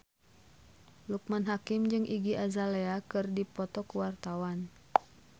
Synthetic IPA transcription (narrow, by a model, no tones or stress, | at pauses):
luk̚manɦakimd͡ʒɨŋʔiɡiʔazaleakɨrdipɔt̪ɔkuwart̪awan